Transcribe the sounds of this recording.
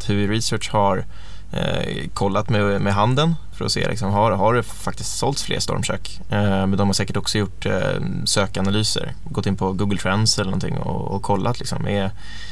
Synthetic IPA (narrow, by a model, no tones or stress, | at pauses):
hʉɪɾɪsœːʈʂhaɾ | kʰɔlːat̪mɛmɛɦand̪ənfœɾɔ̰sḛːlɪ̰ksɔmɦaɦaɖɵ | fakt̪ɪst̪sɔlt̪sflḛːɾst̪ɔ̰ɾmʂø̰ːk | mɛnd̪ɔmhaɾʂsɛːkəʈɔksɔjʊʈː | søːkanalyːsə̰ɾ | ɡɔt̪ːɪnːpʰɔɡuːɡəlt̪ʰɾɛnsɛlənɔnt̪ʰɪ̰ŋːɔ̰ɔkʰɔlːʔat̪lɪksɔ̰mʔɛ̰